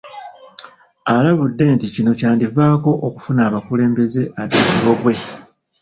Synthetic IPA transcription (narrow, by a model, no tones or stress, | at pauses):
alaβudːe̞ːnticino̞caːndivaːko̞ʔoku̥funaːβakule̞ːmbe̞ze̞ʔaβiːkiβo̞βwe̞